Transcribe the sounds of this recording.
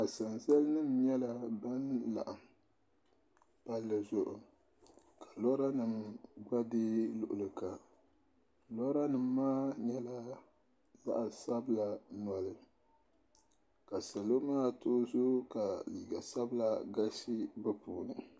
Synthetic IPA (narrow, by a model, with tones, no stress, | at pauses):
a˨sa˨nzɛ˦lnɨ˦mɲɛ˦la˦ba˦nla̰˨ʔa˨m˨ | pa˦lːɨ˨zʊ˦ʔʊ˨ | ka˨lɔ˦ɾa˦nɨ˨mɡ͡ba˦di˦lʊ̰˨ʔʊ˨lɨ˨ka˨ | lɔ˦ɾa˦nɨ˨mː˦aː˦ɲɛ˦la˦ | za̰˦ʔsa˦bɨ˦la˨na˨lɨ˨ | ka˨sa˨lo˦maː˦toː˦zo˦ka˨liː˨ɡa˨sa˦bla˨ɡa˦si˦bɨ˦puː˨nɨ˨